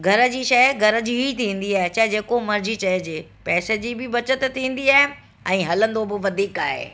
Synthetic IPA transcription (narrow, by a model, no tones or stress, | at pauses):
ɡʱɐɾə̆d͡ʑiːʃɐɡʱɐɾə̆d͡ʑiɦit̪ʰĩːn̆d̪iaːɦet͡ɕɐɦd͡ʑeːkomɐɾd͡ʑit͡ɕɐd͡ʑeːpɛːsed͡ʑiːbɪbɐt͡ɕət̪t̪ʰĩːn̆d̪iaːɦɪ | ɛ̃ːɦɐlə̃nd̪obɪʋɐd̪ʱiːkaːɦḛː